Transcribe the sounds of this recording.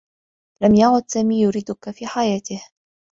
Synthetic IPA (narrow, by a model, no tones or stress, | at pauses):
lamjaʕʊd̪saːmiːjʊɾiːd̪ʊkafiːħajaːt̪ɪh